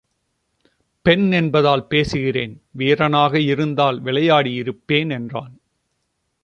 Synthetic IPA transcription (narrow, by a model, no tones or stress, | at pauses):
pɛnɛnbɐðaːlpeːsɯɣɪreːnʋeːɾɐnaːɣɐɪɾɯnd̪aːlʋɪɭɐjaːɽiɪɾɯpːeːnɛndraːn